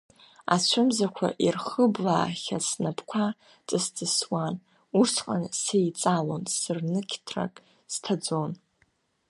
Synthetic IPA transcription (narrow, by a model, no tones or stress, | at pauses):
a̰t͡ɕʷʰʊmzakʷʰa̰ʔirχəblaːχʲasnapʰkʷʰa | t͡sʼɨst͡sʼɨswan | ursʰqʼansejt͡sʼalo̞nsɨrnɨkʲʰtʰra̰kʼ | stʰad͡zo̞n